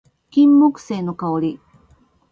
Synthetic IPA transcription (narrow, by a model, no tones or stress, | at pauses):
kʲĩmːokɯ̟̥se̞ːno̞kaoɾʲi